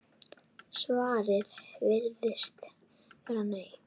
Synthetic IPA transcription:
svaːɾɪðvɪɾðɪst̪ | ɛɾhanːej

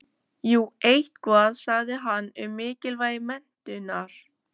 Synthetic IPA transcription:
juːejht̪kʰvaːðsaɣðɪɦanːʏmːɪːcɪlvaːjɪmɛn̥t̪ʏnaɾ̥

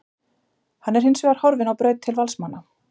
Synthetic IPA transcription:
hanːɛɾ̥hensvɛːɣaɾ̥hɔɾvɪnawpɾœːɥt̪t̪ʰːɪlvalsmanːa

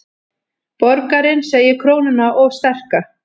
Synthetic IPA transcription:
pɔɾkaɾɪnseːjɪkʰɾoːwnʏnːaʔɔɣst̪ɛr̥ka

